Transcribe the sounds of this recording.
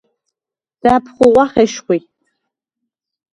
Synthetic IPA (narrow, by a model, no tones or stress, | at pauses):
d̥aːpʰχʷʊʁʷɑχeʃχʷi